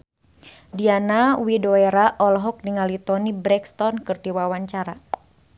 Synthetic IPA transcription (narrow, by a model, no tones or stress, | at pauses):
dianawidoeɾaʔɔlɦɔk̚niŋalit̪ɔnibɾɛkst̪ɔnkɨrdiwawaɲt͡ʃaɾa